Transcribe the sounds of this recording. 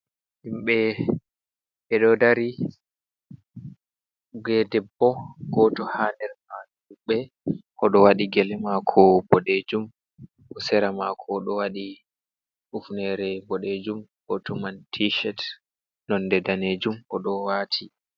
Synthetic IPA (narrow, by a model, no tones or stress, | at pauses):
himɓɛ | ɓɛɗɔdaɾi | ɡɛdɛbːɔɡɔtɔhanɛɾma | ɗuɓɛ | ʔɔɗɔwaɗiɡɛlɛmakʰɔbɔɗed͡ʒum | ʔɔsɛɾamakʰɔɗɔwaɗi | ʔufnɛɾɛbɔɗed͡ʒumɡɔtɔmantʰiʃɛt | nɔndɛdaned͡ʒumʔɔɗɔwaːtʰi